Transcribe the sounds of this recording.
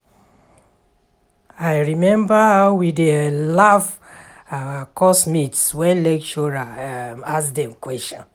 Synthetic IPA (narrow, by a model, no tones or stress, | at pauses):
ajɹimɛ̃mbawidelaf | kɔsmitswɛ̃nlɛkt͡ʃɔɹaaskdɛ̃mkwɛstɔ̃n